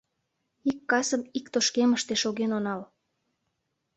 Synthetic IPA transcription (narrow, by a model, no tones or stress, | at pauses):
ikːɑsəmikt̪oʃkeməʃt̪eʃoɣenonɑl